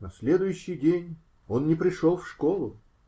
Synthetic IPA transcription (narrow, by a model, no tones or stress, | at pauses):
nɐsʲlʲe̞d̪ʊjʉɕːɪjdʲenʲ | o̞nːʲɪpɾʲɪʂolˠfʂko̞lˠʊ